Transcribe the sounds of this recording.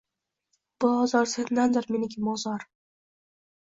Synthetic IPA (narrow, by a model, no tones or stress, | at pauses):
b̥ʊɒzɒɾsend̪and̪ɪɾmenɪɡʲɪmɒzɒɾ